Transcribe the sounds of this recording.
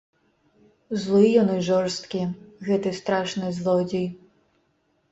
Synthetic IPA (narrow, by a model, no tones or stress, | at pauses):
zlˠɨjɔnɨʐɔrst̪kʲiɣɛt̪ɨst̪ɾaʂnɨzlˠɔd͡zʲij